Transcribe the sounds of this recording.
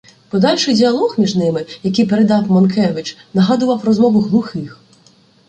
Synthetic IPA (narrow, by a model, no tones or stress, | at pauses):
pɔd̪ɑlʲʃɪjdʲiɐlˠɔɣmʲiʒnɪmɪjɐkɪjpeɾed̪ɑwmɔnkʰɛʋɪt͡ʃnɐɦɑd̪ʊʋɐwrɔzmɔʋʊɦlˠʊxɪx